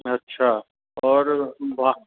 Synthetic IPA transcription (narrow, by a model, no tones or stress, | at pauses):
ɐtːʃʰa | ɔːɾbʱa